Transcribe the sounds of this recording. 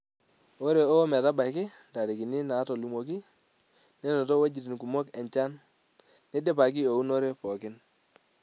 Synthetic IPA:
ɔ˦ɾe˨ɔ˦mɛ˨ta˦ba˨jkɪ˦nda˨ɾi˨ki˨nɪ˦na˨˦tɔ˨lu˨mɔ˨ki˦ | nɛ˦nɔ˨tɔ˦we˦d͡ʒi˨ti˨nku˨mɔ˦kɛ˨ɲt͡ʃa˦n | nɛ˦dɛ˦pa˨k̬i˦o˨u˦nɔ˦ɾe˦pɔ˨kɪ˦n

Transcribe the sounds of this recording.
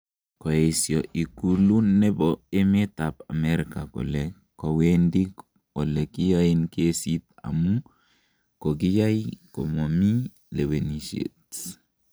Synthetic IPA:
ko˨esjo˨ʔi˨kulu˦ne˦bɔe˦me˦ta˨pa̰˨meɾka˨ko̰˨le | ko˨wendi˦k | ɔ˨le˨ki˦jainke˦sit̪a̰˨mu | ko˨k̬i˦ja˦jiko̰˨momi˦ | le˨we˨niʃḛt

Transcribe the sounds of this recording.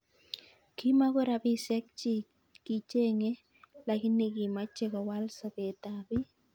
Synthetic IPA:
ki˦ma˦ko˦ɾa˨bi˦sɛ˦k̚t͡ʃi˦ | ki˨t͡ʃe˦ŋe˦ | la˨ki˦ne˦ki˨ma˦t͡ʃe˦kɔ˨wa˦lsa˨pe˨ta˨bi˦

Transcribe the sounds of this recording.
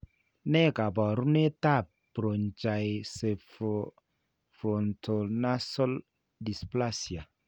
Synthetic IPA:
ne˦ka˨ba˨ɾu˦ne˦ta˦˨ | pɾo˨nt͡ʃa˨jse˨fo | fo˨ntʰo˨na˦so˦l | di˨spla˦sja˨

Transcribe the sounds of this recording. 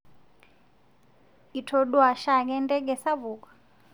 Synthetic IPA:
i˨tʰɔ˨ɗwa˨ʃa˦k̬ɛ˦ndʼɛ˦ɡɛ˨sa˦βuː˨kḁ˨

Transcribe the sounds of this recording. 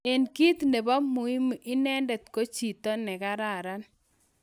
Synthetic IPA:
e˨nki˦t̪ne˨bɔ˦mʊ˨i˦m˨i˦nɛ˦ndɛ˨t̪ko˦t͡ʃi˨t̪ɔ˦nɛ˨ka˦ɾa˨ɾa˦n

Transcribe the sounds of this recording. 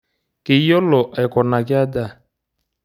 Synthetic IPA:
kɪ˨˦jɔ˦lɔ˨ʔa˨kɔ˨na˨kɪ˦a˦da˦˨

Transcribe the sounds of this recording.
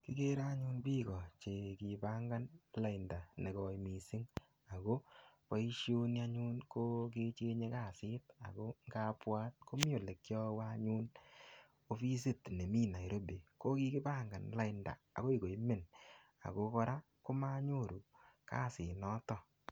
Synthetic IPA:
ki˨ke˦ɾa˦ɲu˦npi˦kɔ˨t͡ʃe˨ki˨pa˦ŋɡa˦nla˦i˨nda˨ne˨kɔ˦jmi˨si˦ŋ | a˨ko˦pa˦i˦ʃjo˦na˧ɲu˦nko˦k̬e˧t͡ʃe˦ɲe˦ka˦˨sɪ˦ta̰˨ko˦ŋɡa˦pwaː˦t̚ko˦mjo˨le˨kjɔ˦wa˦ɲu˦n | o˧fi˦s̬i˦tne˨mi˦na˨i˨ɾo˦be˨ko˦ki˦kɪ˦pa˦ŋɡa˨nla˦ɪ˨nda̰˨a̰˨ko˦i˦˨ko˨jme˦˨n | a̰˨ko˦kɔ˧ɾa˦ | ko˦ma˦ɲo˦˨ɾu˨ | ka̰˦˨sɪ˨nɔ˦tɔ˦˨

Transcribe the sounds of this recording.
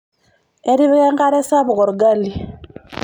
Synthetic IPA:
e˦ɾi˦βɣe˦ŋka˦ɾe˦sa˦βu˨ɣo˨ɾuɡa˦li˨

